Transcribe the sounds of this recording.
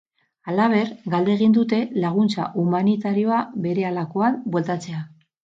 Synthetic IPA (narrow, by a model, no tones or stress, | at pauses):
alaβ̞e̞ɾɡald̪e̞ːɣ̞ind̪ut̪e̞laɣ̞unt͡sa̰ʔumanit̪aɾio̞aβe̞ɾe̞alako̞anbwe̞lt̪at͡se̞a